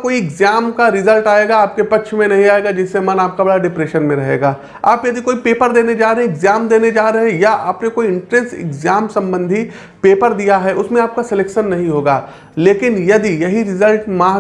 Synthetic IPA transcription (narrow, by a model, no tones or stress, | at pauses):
koːiɪɡzaːmkaɾɪzəlʈaːeːɡaaːp̚kepɐtːʃʰmẽnɐɦĩaːeːɡad͡ʒɪsːemɐnaːp̚kabɐɽaɖɪpɾeːʃənmẽɾɐɦḛːɡaː | aːpjɐd̪ikoːipeːpəɾd̪eːned͡ʒaːɾɐɦɛ̃ɪɡzaːmd̪eːned͡ʒaːɾɐɦɛ̃jaʔaːpnekoːiɪ̃ɳʈɾɛsʈɪ̰ɡzaːmsɐ̃mbə̃nd̪ʱi | peːpəɾd̪ijaɦɛʔʊsmẽaːp̚kasɛleːkʃənːɐɦĩɦoːɡaː | leːkɪnjɐd̪ijɐɦiɾɪzəlʈmãː